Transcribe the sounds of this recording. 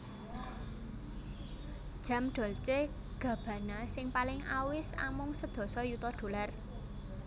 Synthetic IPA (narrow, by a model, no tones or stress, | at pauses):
d̥ʒ̥a̤mɖ̪̥ɔ̤lt͡ʃe | ɡ̥ä̤b̥ä̤nasɪŋpalɪŋa̰wɪsa̰mʊŋsəd̪̥ɔ̤sɔjut̪ɔɖ̥o̤lar